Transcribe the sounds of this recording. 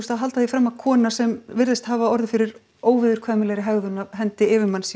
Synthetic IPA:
ust̪haðɦalt̪aθifɾɛmːakʰɔːnasɛmvɪɾðɪst̪haːvaɔɾðɪfɪɾɪɾ | oːwvɪðʏɾ̥kʰvaːmɪlɛɣɾɪɦɛɣðʏnaɦɛnt̪ɪɪvɪmans

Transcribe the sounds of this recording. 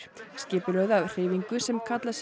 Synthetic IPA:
scɪːpɪlœɣðawr̥eːviŋkʏsɛmkʰat̪las

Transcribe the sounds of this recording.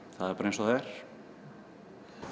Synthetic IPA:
θaðɛɾpaɾẽnsɔðɛɾ̥

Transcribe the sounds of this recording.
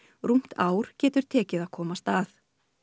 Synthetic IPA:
ɾum̥t̪aːwɾ̥cɛːt̪ʏɾ̥t̪ʰɛːcɪðḁkʰɔːmast̪aːθ

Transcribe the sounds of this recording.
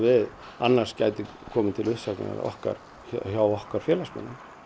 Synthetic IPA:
vɪð | anːaɾ̥scajt̪ɪ | kʰɔːmɪnt̪ʰɪlʏhsaknɪ̰na̰ɾɔ̰hka̰ɾ̥ | çawɔhkaɾ̥fjɛːlasmɛ̰nːa

